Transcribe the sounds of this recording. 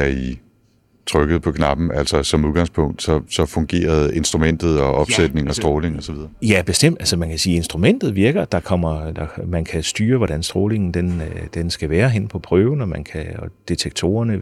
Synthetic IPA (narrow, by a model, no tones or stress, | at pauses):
æɐi | t͡sʰʁœɡ̥ð̩ˠpʰɒ̽kʰnɑ̈b̥n̩ælsɐsɒ̽muðˠɡ̥ɑ̈ŋspʰɔ̽ŋ̰d̥sɒ̽sɒ̽fɔ̽ŋɡ̥e̝̰ːɐð̞ˠe̝nsd̥ʁumen̰d̥ð̩ˠɒ̽ʔɒ̽b̥sed̥ne̝ŋɒ̽sd̥ʁɔːle̝ŋɒ̽sɒʋið̞ˠɐjæb̥e̝sd̥em̰d̥ælsɒmænkʰæsiːe̝nsd̥ʁumen̰d̥ð̩ˠʋiɐɡ̥ɐd̥ɑ̈kʰɒ̽m̰ɐd̥ɑ̈mænkʰæsd̥yːɐʋɒɾ̥ænsd̥ʁɔːle̝ŋn̩d̥end̥ensɡ̥æʋæːɐɦen̰pʰɒ̽pʰʁœːʊn̩ɒ̽mænkʰæɒd̥e̝t͡sʰeɡ̥̚t͡sʰo̝̰ːɐnə